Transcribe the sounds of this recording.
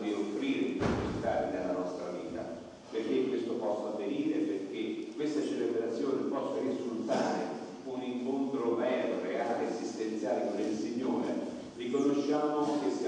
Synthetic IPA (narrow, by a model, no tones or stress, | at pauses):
d̪iofɾiːɾepot̪ust̪aːɾid̪elːanɔst̪ɾavḭːt̪a̰ | perk̟ekwest̪opɔsːaavːeɾiːɾeperk̟ekːwest̪at͡ʃelebɾat̪sjoːnɪpɔsːaizult̪aːɾe | uniŋkont̪ɾomɛːd̪oɾeaːleesist̪ent̪sjaːliɾelsiɲːoːɾe | rikonoʃːaːmok̟esa